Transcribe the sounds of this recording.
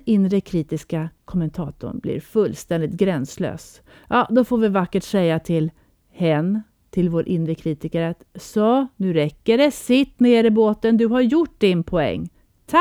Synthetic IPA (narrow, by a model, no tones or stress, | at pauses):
ɪnːɾəkʰɾiːt̪ɪskakʰɔmənt̪ʰɑːt̪ʊ̰ɳblɪ̰ːɾfɵlːst̪ɛnd̪ɪt̪̚ɡɾɛnslø̰ːs | jʔɑːd̪ɔfoːɾvɪvakːəʈsɛjːat̪ʰɪl | hɛnː | t̪ʰɪlvoːɾʔɪnːɾəkʰɾiːt̪ɪkəɾat̪sɔnʉ̟ːɾɛkːəɖɛsɪt̪ːneːɾɪboːt̪ənd̪ɵɦaɾjʊʈ̚ːd̪ɪnpʰɔɛ̰ŋː | t̪ʰ